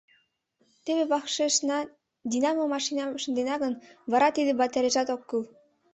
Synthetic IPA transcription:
t̪eβeβɑxʃeʃnɑ | d̪ʲinɑmomɑʃinɑʃə̆nd̪enɑɣə̆nvɑɾɑt̪id̪ĕbɑt̪eɾeʒɑt̪okːɯl

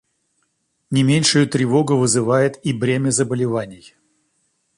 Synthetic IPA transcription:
nʲɪmʲenʲʂʊjʊt̪ɾʲɪvo̞ɡʊvɨzɨvajɪt̪ibɾʲemʲəzəbəlʲɪvanʲɪj

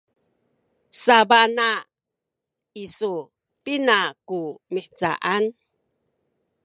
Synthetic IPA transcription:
sabana | iso | pinakumiħt͡sa̰ʔan

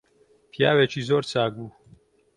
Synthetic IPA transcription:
pʰjaːwɛt͡ʃʰiːzoːɾt͡sʰaːɡuː

